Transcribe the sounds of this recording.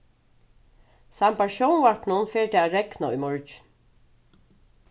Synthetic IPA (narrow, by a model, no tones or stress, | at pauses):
sampaʃɔwnʋaɹknʊnfeːɹt̪ɛaːɾɛknaʊ̰jmɔɹt͡ʃn